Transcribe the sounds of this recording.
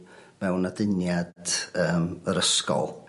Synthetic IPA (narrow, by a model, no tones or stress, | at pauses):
mɛwnadɪnjad̥əːməɾəskɔ̰lˠ